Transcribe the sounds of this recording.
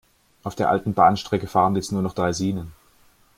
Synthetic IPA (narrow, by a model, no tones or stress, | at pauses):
ʔaʊfd̥eːɐʔa̰ltn̩baːnʃtʁ̥ɛkəfaːʁən̩jɛt͡snuːɐnɔχd̥ʁaɪziːnən